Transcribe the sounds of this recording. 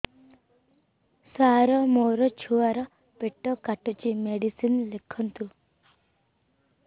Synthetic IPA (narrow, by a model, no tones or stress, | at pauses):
saɾɔmoɾɔt͡ʃʰuʋaɾɔ | peʈːɔkaʈut͡ʃimeɽisinlekʰɔnt̪u